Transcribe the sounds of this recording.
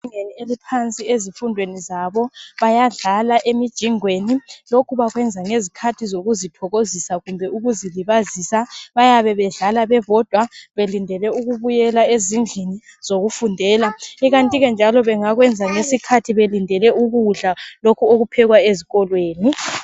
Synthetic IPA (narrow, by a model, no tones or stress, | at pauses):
iŋenielipʰant͡sʼiezifundʱwenizaβɔβajaɮalaʔemid̥ʒ̥ʱiŋwenilokʰuβaɣwɛnd͡zʱaŋezikʰatʰizoɣuzitʰɔɣozisaɣumbʱɛuɣuziliβazisaβajaβɛβɛɮalaβɛβɔd̥ʱwaβelindʱɛlɛuɣuβujɛlaezind͡ɮʱini | z̥oɣufundʱɛːlaiɣantʼiɣɛnd͡ʒʱalɔβɛŋaɣwɛnd͡zʱaŋesikʰatʰiβelindʱɛlɛuɣuɮalokʰuoɣupʰɛɣwaeziɣɔlweːni